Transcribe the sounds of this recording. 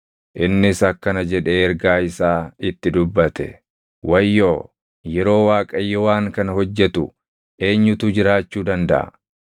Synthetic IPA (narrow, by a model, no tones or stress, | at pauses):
ʔɪnːɪsɐkːɐnɐd͡ʒɛᶑeːɛɾɡaːɪsaːɪt̪ːɪd̪ʊbːɐt̪ɛ̰ | wɐjːo̞ː | jɛɾo̞ːwaːkʼɐjːɔwaːŋkɐnɐhɔd͡ʒːɛt̪ʊ | ʔe̞ːɲːʊt̪ʊd͡ʒɪɾaːt͡ʃːuːd̪ɐnd̪ɐ̰ʔɐ̰